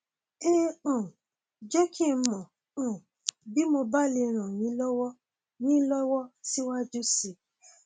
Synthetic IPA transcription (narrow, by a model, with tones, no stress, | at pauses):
e˦õ˨ | d͡ʒɛ˦kʰi˦˧˦mɔ̃˨ | õ˨ | bi˨˦mo˧ba˦le˧ɾ̃ã˨nĩ˨˦lɔ˦wɔ˦ | nĩ˦lɔ˦wɔ˦si˦wa˦d͡ʒu˦si˨˦